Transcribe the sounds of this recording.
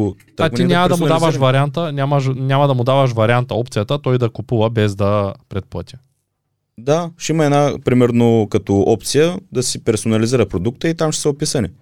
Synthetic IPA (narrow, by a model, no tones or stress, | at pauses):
t̪at̪inʲamɐd̪ɐmʊd̪avəʃvɐɾʲiant̪ənʲaməʃ̬nʲamɐd̪ɐmʊd̪avəʃ̬vɐɾʲiant̪ɐɔpt̪sijət̪ət̪ɔjd̪ɐkupuvɐbɛzd̪ɐpɾɛt̪̚plˠɤ̰t̪ʲə̥ | d̪aʃimɐɛnapɾimɛɾnokɐt̪ɔʔɔp̚t̪sijəd̪ɐsipɛɾsonɐliziɾəpɾod̪uk̚t̪əit̪amʃɛ̥səopisɐni